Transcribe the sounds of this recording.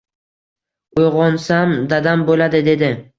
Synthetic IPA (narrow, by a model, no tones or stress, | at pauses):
ojʁɒnsamd̪ad̪ambolad̪ɪd̪e̞d̪ɪ